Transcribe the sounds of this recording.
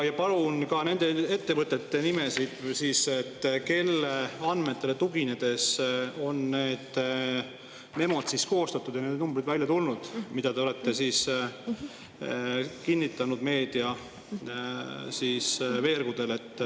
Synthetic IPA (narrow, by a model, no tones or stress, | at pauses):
jɑpɑlunkɑne̞nd̪̥e̞e̞t̪ːe̞vɤt̪ˑːe̞t̪ːe̞nime̞sid̪̥siːset̪ːke̞lːeɑnme̞t̪ːˑe̞let̪uɡined̪̥e̞so̞nne̞ːd̪̥ | me̞mo̞t̪sisko̞ːst̪ɑt̪ːˑud̪̥jɑneːd̪numbɾid̪vælʲjɑt̪ulnud̪̥mid̪̥ɑd̪eole̞t̪ːe̞siːs | kinʲːit̪ˑːɑnud̪̥me̞ːd̪̥iɑ | siːsve̞ːrɡ̥ud̪e̞le̞t̪ːˑ